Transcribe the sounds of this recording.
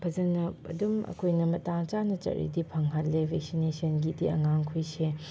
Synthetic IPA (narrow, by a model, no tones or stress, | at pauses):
pʰɐzɐnːɐɐ̰dumɐ̰kʰojnɐmɐtaŋt͡ʃanɐt͡ʃɐ̰ɾḭdipʰɐŋɦatlebʱek̚sinesɐnɡidiɐ̰ŋaŋkʰujse